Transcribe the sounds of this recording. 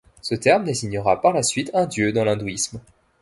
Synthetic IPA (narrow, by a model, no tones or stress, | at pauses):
sət̪ɛʁmd̪eziɲəʁapaʁlasɥit̪ɛ̃d̪jød̪ɑ̃lɛ̃d̪uism